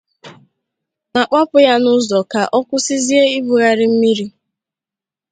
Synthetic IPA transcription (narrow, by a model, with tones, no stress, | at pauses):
na˨k͡pa˦pʊ˦ja˦nʊ˦zɔ˨ka˨ʔɔ˦kʷʊ˦sɪ˦zi˦e˦i˦bu˨ɣa˨ɾɪ˦m̩˦mi˦ɾi˦